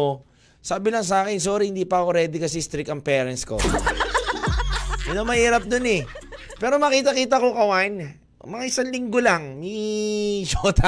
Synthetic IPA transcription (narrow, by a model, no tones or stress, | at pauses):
saːbɪlɐŋs̬aːkɪnsoːɾihɪnd̪iːpɐʔɐkoɾɛːd̪ɪkɐsɛst̪ɾɪk̪̚ɐŋpɛːɾɛnsko̰ | jʊnɐmɐhiːɾɐp̚d̪onɛ | pɛːɾo̞mɐkiːt̪ɐkiːt̪ɐkokɐwan | mɐŋaʔɪsaŋlɪŋɡolaŋni | d͡ʒoːt̪ʰa